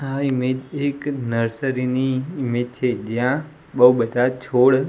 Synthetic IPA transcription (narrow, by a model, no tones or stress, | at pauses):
aɪmed͡ʒeknəɾsəɾiniɪmeːd͡ʒ̚t͡ʃʰed͡ʒijã | ɓəuɓəd̪ʱat͡ʃʰoːɽ